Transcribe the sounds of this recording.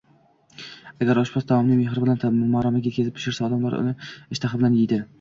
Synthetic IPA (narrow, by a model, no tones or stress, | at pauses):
aɡʲaɾɒʃpɒst̪ʰamɒmnɪmeχɾɪbɪlanmɒɾamaɡʲat̪̚kʲʰezɪpt̪ʰːʊ̥ʃɪɾsaɒd̪amlaɾʊ̰nɪɪʃt̪ʰaχɪbɪlanjejd̪ɪ